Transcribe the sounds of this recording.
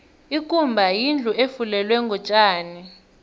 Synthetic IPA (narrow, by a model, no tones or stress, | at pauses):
ikʼumbʱajind͡ɮʱuefulɛlwɛŋɡʱɔt͡ʃʼaːni